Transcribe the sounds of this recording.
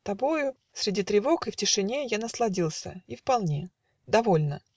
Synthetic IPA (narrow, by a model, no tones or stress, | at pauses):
t̪ɐbo̞jʊ | sʲɾʲɪdʲit̪ɾʲɪvo̞kɨftʲɪʂɨnʲe̞janəslˠɐdʲilˠsʲə̰ifpɐlˠnʲe̞ | d̪ɐvo̞lʲnə